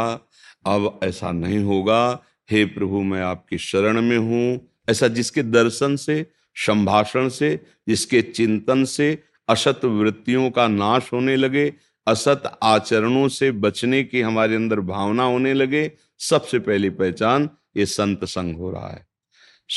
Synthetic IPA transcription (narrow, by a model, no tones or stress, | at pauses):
ɐbɛːsa̰nɐɦĩɦoːɡa | hepɾɐbʱumɛ̃aːp̚keʃɐɾəɽ̃mẽɦũ | ɛːsad͡ʒɪsked̪ɐɾʃənse | ʃɐ̃mbʱaːʃəɽ̃se | d͡ʒɪsket͡ʃɪ̃nt̪ənse | ɐʃət̪ʋɾɪt̪ːijõkanaːʃɦoːnelɐɡe | ɐsət̪aːt͡ʃəɾəɽ̃õsebɐt͡ʃnekiɦɐmaːɾeɐ̃nd̪əɾbʱaːʋnaɦoːnelɐɡe | sɐbsepɛɦlipɛɦt͡ʃaːn | jesɐ̃nt̪sə̃ŋɡɦo̰ːɾ̰ɦa̰ɦɛ̰ː